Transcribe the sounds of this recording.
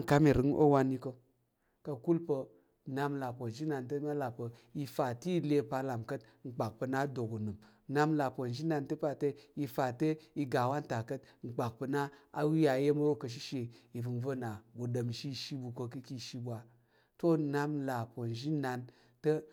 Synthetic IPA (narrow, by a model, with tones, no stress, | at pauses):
ŋ˨ka˦mi˨ɾɨ˨˦ŋʔo̰˦wa˧nːi˧kə˧ | kə˧ku˦lpə˧ | na˧mla˨po˨n˨ʒi˦na˧ntə˦ma˦la˨pə˨ji˧fa˨ti˦le˧pa˧la˨mkə˦tŋ͡m̩˨k͡pa˨k̚pə˧na˦do˨ɡu˨nɨ˨m | na˧mla˨pə˨nd͡ʒi˦na˧ntə˦pa˨tə˦ji˧fa˨tə˦i˧ɡa˨wa˦nta˨kə˦t̚ŋ͡m̩˨k͡pa˨k̚pə˧na˦a˦wi˦ja˧˦je˦m˦ɾo˦kə˨ʃ̬i˦ʃe˨i˨vɨ˨nvə˦˨na˨ɡu˨də˨mʃi˦˨ʃi˦bu˨ko˧kɨ˦ki˧˨ʃi˧bʷa˨ | to˦na˧mla˨po˨n˨ʒi˦na˧n | tə˦